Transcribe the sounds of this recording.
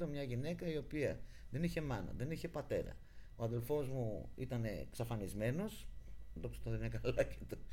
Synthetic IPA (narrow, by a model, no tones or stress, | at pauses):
t̪omɲɐʝine̞kɐio̞piɐ | ðe̞niçe̞mɐnɐ̰ðe̞niçe̞pɐt̪e̞̰ɾɐ̰ | o̞ɐðe̞lfo̞zmuḭt̪ɐne̞̰ksɐfɐnizme̞no̞sd̪oksi̥t̪oðenɐkɐlɐcet̪o